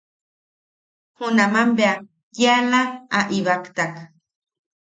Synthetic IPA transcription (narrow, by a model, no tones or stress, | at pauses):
hunamambea | jealaaʔiβakt̪ak